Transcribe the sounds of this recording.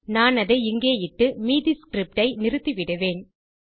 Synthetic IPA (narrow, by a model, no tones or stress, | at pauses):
naːnɐðɐɪŋɡeːjɪʈːɯmiːðɪskɾɪp̚ʈɐɪnɪɾɯt̪ːiʋɪɽɯʋeːn